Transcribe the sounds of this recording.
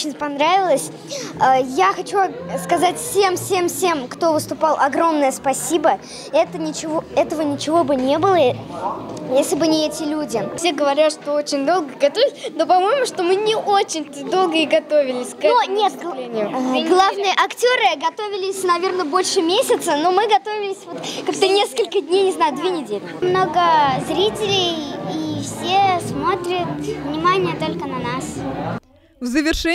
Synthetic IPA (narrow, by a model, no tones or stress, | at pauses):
ot͡ɕɪnʲpɐnɾavʲɪlˠəsʲ | əjaxɐt͡ɕuskɐzatʲfsʲe̞mfsʲe̞mfsʲe̞mkt̪o̞vɨst̪ʊpɑlˠʔɐɡɾo̞mnəjəspɐsʲibə | ɛt̪ənʲɪt͡ɕɪvo̞ɛt̪əvənʲɪt͡ɕɪvo̞bɨnʲe̞bɨlˠə | jesʲlʲɪbɨnʲɪɛtʲɪlʲudʲɪfsʲeɡəvɐɾʲat̪ʂt̪oot͡ɕɪnʲd̪o̞lˠɡəɪɡɐt̪ovʲɪlʲɪsʲnopɐmo̞jmʊʂt̪o̞mɨnʲɪʔot͡ɕɪnʲt̪ɨd̪o̞lˠɡəɪɡɐt̪o̞vʲɪlʲɪsʲkonʲet̪ˠʲenʲɪjʊɡlˠavnɨjəʔɐktʲoɾɨɡɐt̪o̞vʲɪlʲɪsʲnɐvʲe̞rnəbo̞lʲʂɨmʲesʲɪt̪səno̞mɨɡɐt̪o̞vʲɪlʲɪsʲvo̞t̪kaɡt̪ənʲe̞skəlʲkədʲnʲejnʲɪznajʊd̪vʲenʲɪdʲelʲɪmno̞ɡəzɾʲitʲɪlʲɪjifsʲesmo̞t̪ɾʲət̪vnʲɪmanʲɪjət̪o̞lʲkənɐnas | vzəvʲɪrʂɛ